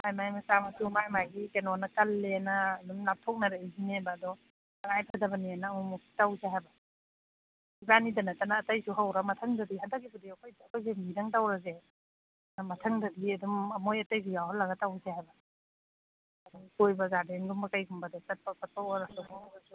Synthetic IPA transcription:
ajmajmɐsamɐsumajmaɡikenɔnɐkɐlːenɐːdumnap̚tʰɔk̚nɐɾeizinebɐːdɔ | ɐŋajpʰɐdɐbɐnianaːmumuki̥tawseɦajbɐ | ibanidɐnɐtɐnɐːtɐjsuɦawɾɐmɐtʰɐŋdɐdihɦandɐk̚ɡibadiɐkʰojdakʰojs̬emiɾɐŋtawɾɐs̬e | nɐmɐtʰɐŋdɐdiɐdumɐmojɐtɐjɡijawɦalːɐɡɐtawsehajbɐ | dukojbɐzadeŋɡumbɐkajɡumbɐdɔkɐt̚pɐkɐt̚pʰɔɾɐɔmɔŋbɐsu

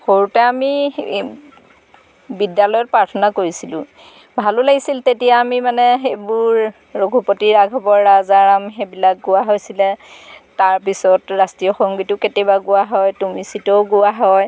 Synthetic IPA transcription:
xoɹutɛami | bidjalɔjɔt̚pɹaɹtʰɔnakoɹisilʊ̰̃ | bʱalʊlaɡisiltetijaːmimanɛxejbʊɹː | oɡʱupotiɹaɡʱɔbɔɹːazaɹamxebilak̚ɡʊwaɦojsilɛtaɹpisɔtɹastijɔxɔŋɡitʊketebaɡʊwaɦɔjtumisitoʊɡʊwaɦɔj

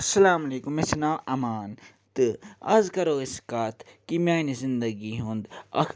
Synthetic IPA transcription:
ɐsɐlaːmɐleːkumːet͡ʃɐnaːwɐmaːn | t̪ɨɐ̰zkɐɾoːiskaːt̪ʰkimjaːnizind̪ɐɡiɦũnd̪ɐ̰kʰ

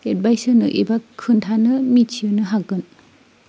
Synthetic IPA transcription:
et̚bajsɯnɯʔibakʰːɯntʰanɯmit͡ʃʰiɯnɯɦaɡɯn

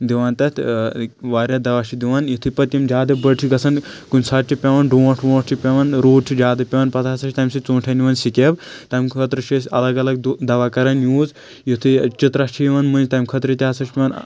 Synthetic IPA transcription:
d̪iʋaːnt̪ɐt̪ʰ | ʋaːɾʲad̪ɐʋaːʃʰid̪iʋaːnjit̪ʰɨpɐt̪jimd͡ʒʲaːd̪ɐbəɽʈʰiɡɐsʰɐnkunʲsɐʈ̚t͡ʃʰipʲeʋɐnɖõːʈʰʋõːʈʈʰipʲeʋɐnɾoːʈ̚ʈʰid͡ʒaːd̪ɐpʲeʋɐnpɐt̪ʰaːsɐt͡ʃʰʲit̪aːmsit͡sõːʈʰɐniʋɐːnsikʲebt̪ɐmkʰɐt̪ɾɨʃisʲɐ̰lɐɡɐlɐɡ̚d̪ɐʋaːkɐɾɐnjuːz | jit̪ʰɨt͡ʃit̪ɾat͡ʃʰiʋɐnmɨ̃nd͡ʒʲt̪aːmkʰɐt̪ɾit̪ʲaːsɐʃiʋaːn

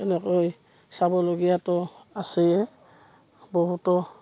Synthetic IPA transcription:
ɛnɛkoj | sabɔloɡijatɔasɛjɛ | bɔɦutɔ

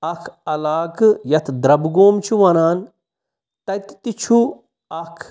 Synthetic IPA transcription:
ɐkʰɐlaːkjɐt̪ʰd̪ɾɐbɡoːmt͡ʃʰuʋɐnaːn | t̪ɐt̪t̪it͡ʃʰu | ɐkʰ

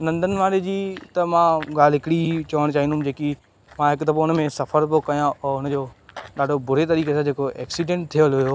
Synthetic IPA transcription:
nɐ̃nd̪ʱənɪ̆ʋaːɾed͡ʑiːt̪ɐmãɡaːlɦɪkɪɽit͡ɕɐʋəɽ̃t͡ɕaːɦĩnd̪ʊ̃md͡ʑeːki | mãɦɪkt̪ɐboʊnmẽsɐfəɾpokɐjãʊnəd͡ʑoːɗaːɖʱobʊɾ̤et̪ɐɾiːkesãd͡ʑeːkoɛ̰ːksiɖẽːɳʈ̚t̪ʰijəlɦʊjoː

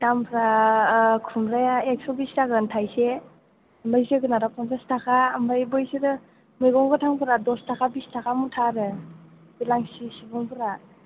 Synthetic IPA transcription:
tampʰɾa | kʰumɾajaek̚sɔbistaɡɯntʰajse | ambajseɡɯnaɾapʰɔnpestʰakʰaːmbajbɔjsiɾɯ | mɯjɡɔŋɡɯtʰaŋpʰɯɾadɔstʰakʰabistʰakʰamutʰaɾɯ | bilaŋsisibɔŋpʰɯɾa

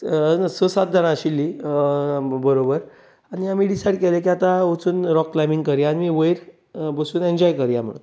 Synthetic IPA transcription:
nasəsat̪̚d̪ʱəɽ̃ãɕilːi | bəɾobəɾ | aɽniamiːɖisajɽkɛlekiat̪ãot͡suːnɾɔkːlajmĩŋɡkəɾjaaɽimiːʋəjɾ | bəsuːneɲd͡ʑɔjkəɾjam̤ə̰ɽṵ

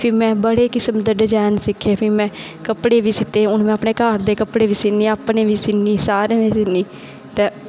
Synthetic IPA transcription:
pʰɪɾmɛ̃ːbəɽeːkɪsəmd̪əɖəd͡ʒaːnsɪkʰːeːpʰiːmɛ̃ː | kəpɽeːʋiːsɪt̪ːeːʊnmɛ̃ːəpneːkaːɾd̪eːkəpɽeːʋiːsɪnːiːaːpnẽːʋiːsɪnːiːsaːɾẽːneːsɪniː | t̪eː

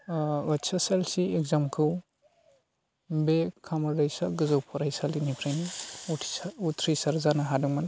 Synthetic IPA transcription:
wat͡ʃaselsieɡzamkʰɯw | bekʰːamɐɾɾajsaɡɯzawpʰɔɾajsalinipʰɾajniuutʰɾisaɾzanaɦaduŋman

